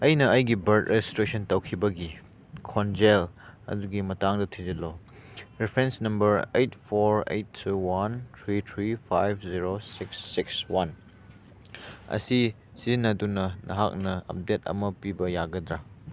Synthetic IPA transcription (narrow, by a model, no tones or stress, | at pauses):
ɐjnɐɐjɡibɐɾtɾestɾesɐntɐwkʰibɐɡi | kʰond͡ʒelɐ̰duɡimɐtaŋdɐtʰizɐlɔ | ɾipʰɾensnɐmbɐɾejtpʰoɾḛjtʰːuwantʰɾit̪ʰɾipʰajbʰziɾosiksːikswan | ɐ̰si | sizinːɐdunɐnʔɐ̰ɦak̚nɐɐ̰p̚detɐ̰mɐpibɐjaɡɐdɾa